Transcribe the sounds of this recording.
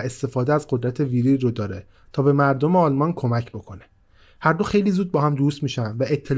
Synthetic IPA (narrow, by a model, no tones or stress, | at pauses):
e̞st̪e̞fɒːd̪eæzɢo̞d̪ɾæt̪ʰe̞viɾirod̪ɒːɾe | t̪ʰɒːbe̞mæɾd̪o̞meɒːlmɒnkʰo̞mæcʰbo̞kʰo̞ne̥ | hæɾd̪o̞xejliːzuːd̪̚bɒːhæmd̪ust̪miːʃænvæʔet̪ʰːe̞l